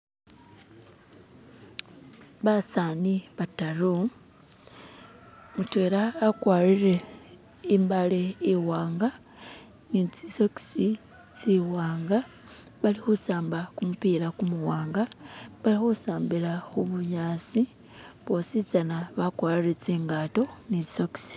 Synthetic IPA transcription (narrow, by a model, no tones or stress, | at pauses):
βasaːniβataɾu | mutwe̞ːɾaːkwaːɾiɾe̞ | imbaleiwaːŋɡa | nit͡sisoki̥si | t͡siwaːŋɡa | βalixusaːmbakumupiːɾakumuwaːŋɡaβalixosaːmbiɾaxuβuɲaːt͡si | βo̞sit͡sanaβakwaːɾiɾet͡siːŋɡaːto̞nit͡si̥soki̥si̥